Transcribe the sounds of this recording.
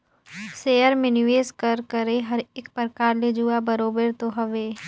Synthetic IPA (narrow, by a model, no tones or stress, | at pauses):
seːjəɾmẽnɪʋeːskəɾkəɾeɦɐɾɪkpɾəkaːɾled͡ʒuːabɐɾoːbəɾt̪oɦɐʋeː